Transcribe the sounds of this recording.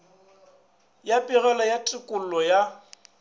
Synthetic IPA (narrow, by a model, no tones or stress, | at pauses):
japʼiɣɛlɔjatʼɪkʼʊl̩lɔja